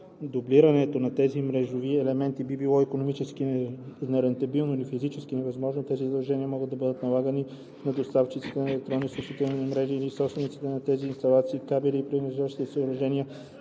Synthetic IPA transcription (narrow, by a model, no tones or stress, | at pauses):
d̪obliɾɐnɛt̪onɐt̪ɛzimɾɛʒoviɛlɛmɛnt̪ibibilˠɔikonomit͡ʃɛskinɛɾɛnt̪ɐbilˠnoilifizit͡ʃɛsk̟inɛvɐzmɔʒnot̪ɛzizəd̪ɐlˠʒɛniəmɔɡəd̪ɐbɤd̪ət̪nɐlˠaɡəni | nɐd̪ost̪aft͡ʃit̪si̥t̪ɛɛlɛk̚t̪ɾɔnːisuʃit̪ɛlniɛmɾɛʒiːlisɔpst̪vɛnit̪si̥t̪ɛnɐt̪ɛziːnst̪ɐlˠat̪siːkabɛliːpɾinɛʒaʃi̥t̪ɛsəoɾɐʒɛniə